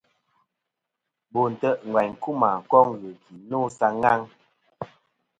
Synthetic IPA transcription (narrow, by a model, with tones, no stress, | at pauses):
bo˨n̩˨tə˦ʔŋ̩˨ɡwa˨ɲ̩˨ku˦ma˨ŋ̩˨kɔ˦ŋɣə˨ki˨no˦sa˦ŋa˦ŋ